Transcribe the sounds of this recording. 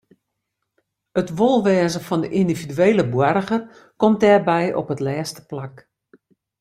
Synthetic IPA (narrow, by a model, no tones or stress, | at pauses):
ətʋolˠʋɛːzəfɔndəʔindividyeːləbwarɣər | kɔmt̚dɛːrbɛjʔɔ̰pətlɛːstə̥plak